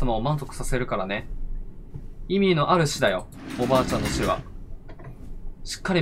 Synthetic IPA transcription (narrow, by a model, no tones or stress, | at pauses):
amaomãñzo̞kɯ̟̥sase̞ɾɯ̟kaɾane̞ | imʲino̞ʔaɾɯ̟ɕid̪ajo̞ | obaːt͡ɕãnːo̞ɕiβa̰ | ɕi̥kːaɾʲi